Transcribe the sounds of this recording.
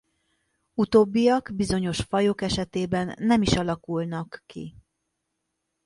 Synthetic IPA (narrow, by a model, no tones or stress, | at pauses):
ut̪oːbːijɒɡbizo̞ɲo̞ʃfɒjokɛʃɛt̪eːbɛnːɛmiʃɒlɒkulnɒkːḭ